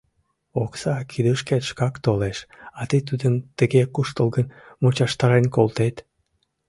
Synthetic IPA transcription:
oksɑkʰid̪əʃket̪ʃkɑkt̪oleʃɑt̪əjt̪ud̪ənt̪əɣekuʃt̪əlˠɡən | mut͡ɕɑʃt̪ɑɾenkolˠt̪et̪

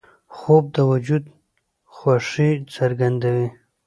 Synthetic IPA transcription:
xob̚d̪əwad͡ʒud̪ | xwaʂisaɾɡand̪awi

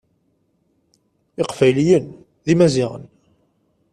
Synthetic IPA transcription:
ɪqfæjlijən | ðimæzɪʁə̰n

